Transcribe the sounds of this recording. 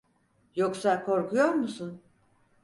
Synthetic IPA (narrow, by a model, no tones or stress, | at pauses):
jo̞ksakʰo̞ɾkʰujo̞ɾmusun